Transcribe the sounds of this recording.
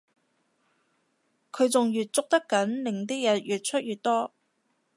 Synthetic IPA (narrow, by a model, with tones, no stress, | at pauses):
kʰɵ˨˧ɥt͡sʊ˨ŋjyː˨t̚t͡sʊ˥k̚t̪ɐ˥kːɐ˨˥nlɪ˨˩ŋt̪iː˥jɐ˨˩t̚jyː˨t̚t͡ʃʰɵ˥t̚jyː˨t̚t̪ɔː˥